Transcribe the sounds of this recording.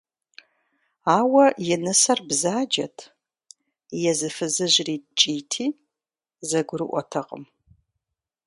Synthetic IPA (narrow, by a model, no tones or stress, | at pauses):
aːwɐjɛnɨsɐrbzaːd͡ʒɐtʰ | jɛzɨfɨzɨʑriːt͡ʃʼiːtʰiː | zɐɡʷʊɾɨʔʷɔ̰tʰɐqʼə̰m